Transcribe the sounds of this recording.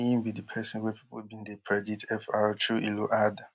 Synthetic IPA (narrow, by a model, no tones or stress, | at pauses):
ĩnbidipʰɛsɔ̃nwɛpʰi̥pobĩndekʰɹɛditʰɛfatʰuʔiloʔad